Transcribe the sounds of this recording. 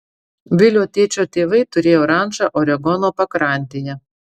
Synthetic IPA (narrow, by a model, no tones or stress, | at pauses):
ʋʲɪlʲoːt̪ʲeːt͡ʃʲot̪ʲeːʋɐɪt̪ʊɾʲeːjoːɾɑˑnʒɑʔɔɾʲɛɡɔnoːpɐkɾɑˑnʲt̪ʲejɛ